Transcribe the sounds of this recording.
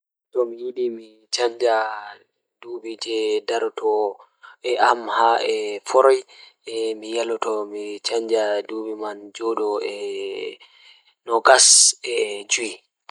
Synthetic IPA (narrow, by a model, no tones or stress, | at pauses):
tɔmijiɗimi | t͡ʃaɲd͡ʒa | dubid͡ʒɛdaɾtʰɔ | ʔɛamhaʔɛfɔɾɔjɛmijalɔtɔmit͡ʃaɲd͡ʒadubimand͡ʒɔɗɔɛ | nɔɡasɛd͡ʒui